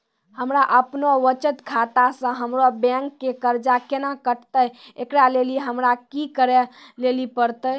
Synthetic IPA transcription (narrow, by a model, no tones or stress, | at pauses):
həmɾaʔəpnoʋət͡ʃət̪kʰat̪asə̃ɦəmɾobɛ̃ŋkːekəɾd͡ʒakenakəʈʰt̪əjekɾaleliɦəmɾakikəɾɛlelipəɾt̪ə